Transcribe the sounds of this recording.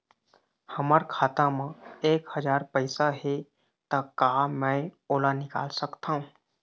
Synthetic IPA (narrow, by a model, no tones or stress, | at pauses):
həməɾkʰaːt̪ãmãeːkhəd͡ʒaːɾpəɪsaɦe | t̪akaːmɛ̃oːlanɪka̰ːlsəkt̪aɦũː